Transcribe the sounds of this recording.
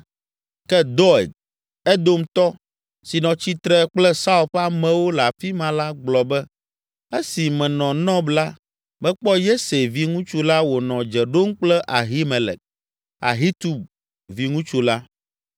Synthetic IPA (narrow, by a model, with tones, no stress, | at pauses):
kɛ˦d̪ɔ˦ɛ̰˨d̪̚ | ɛ˦d̪o˦mt̪ɔ˦ | si˨nɔ̃˨t͡ɕi˦t̪ɾɛ˦k͡plɛ˦sa˦u˨ɸa˦mɛ̃˨wo˦la˨fi˦mã˨la˦ɡ͡blɔ˨bɛ˦ | e˦si˨mɛ̃˨nɔ̃˨nɔ̃˦bla˦ | bɛ̃˦k͡pɔ˦je˦se˨vi˦ŋũ˦t͡ʃu˦la˦wo˨nɔ̃˨d͡ʒɛ˨ɖo˦ŋ̩˦k͡plɛ˦ʔa˨ɦi˦me˨lɛ̰˨k̚ | a̰˨ɦi˦t̪u˨b | vi˦ŋũ˦t͡ʃu˦la˦